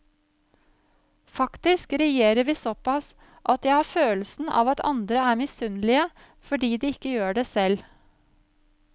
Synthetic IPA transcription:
fɑkt̪ɪskɾɛjeːɾəɾʋiːsɔpɑs | ʔɑt̪jæɪhɑːføːlsn̩ʔɑ̰ːʋɑt̪ʰɑ̰nd̪ɾəæːɾmɪsʉnlɪə | fɔɖiːd̪iːɪkːəjøːɖeːsɛl

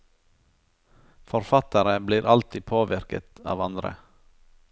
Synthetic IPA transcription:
fɔɾfɑt̪əɾəbliːɾʔɑlt̪ʰiːpʰoːʋɪɾkə̰t̪ɑ̰ːʋɑnd̪ɾə̰

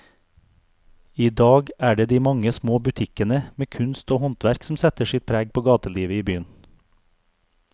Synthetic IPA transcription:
iːd̪ɑːɡʔæːɖeːd̪iːmɑŋəsmoːbʉt̪ʰɪkənəmeːkʰʉnst̪oːhɔnt̪ʋæɾksm̩sɛt̪əʃɪt̪̚pʰɾæːɡ̚pʰoːɡɑːt̪əliːʋəiːbyːən

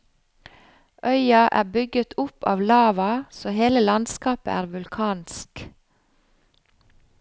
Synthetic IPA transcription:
ʔœʏɑʔæ̰ːbʏɡət̪ʰʊpʰɑ̰ːʋlɑːʋɑsoːheːləlɑnskɑːpə̰ʔæːɾʋʉlkʰɑːnsk

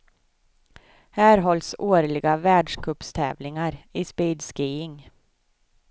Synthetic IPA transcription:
hæːɾɦɔlsoːɾlɪɡavæːɖʂkʰɵpst̪ʰɛ̰ːvlɪŋaɾɪspiːd̪skiːɪŋ

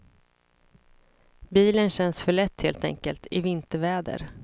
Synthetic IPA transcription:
biːlənɕɛnsfœɭɛt̪ːheːlt̪ɛ̰ŋkəlt̪ʰɪvɪnt̪əɾvɛːd̪ə̰ɾ

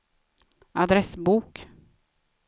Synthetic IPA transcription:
ad̪ɾɛsbuːk

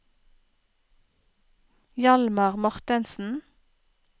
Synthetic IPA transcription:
jɑlmɑʁmɔʁt̪ɪnsn̩

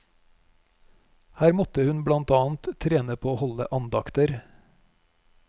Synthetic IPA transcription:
hæːɾmɔt̪əhʉnblɑnt̪ɑːn̩t̪t̪ʰɾeːnəpʰoːoːhɔlə̰ʔɑnd̪ɑkt̪əɾ

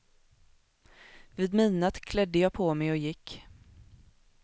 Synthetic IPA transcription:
vɪːd̪miːnat̪kʰlɛd̪ːəjɑːpʰoːmɛjɔjɪkː

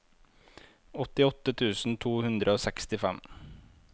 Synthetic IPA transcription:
ɔt̪ɪɔt̪ːət̪ʰʉːsn̩t̪ʰuːhʉnd̪ɾəoːsɛkst̪ɪfɛm

